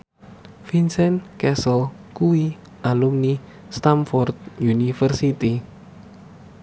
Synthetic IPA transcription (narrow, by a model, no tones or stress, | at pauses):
finsɛnkɛsəlkuwi | ʔalumni | st̪amfɔrt̪̚junifərsit̪i